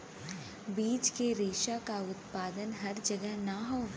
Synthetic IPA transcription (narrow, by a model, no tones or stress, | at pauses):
biːt͡ʃkeɾeːʃakaʊt̪paːd̪ənɦɐɾd͡ʒɐɡəɦnaɦoː